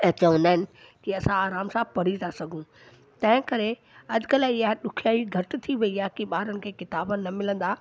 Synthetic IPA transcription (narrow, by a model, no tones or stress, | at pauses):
t͡ɕɐʋə̃nd̪aːɦɪnɪ̆ | kiɐsãaːɾaːmsãːpɐɽ̤it̪ʰasɐɡʱũː | t̪ɐ̃ɦɪ̃kɐɾe | ɐd͡ʑkəlɪɦaɗʊkʰjaːiɡʱɐʈ̆t̪ʰiʋɐiaːkiɓaːɾənɪ̆kʰeːkɪt̪aːbənɐmɪlə̃nd̪aː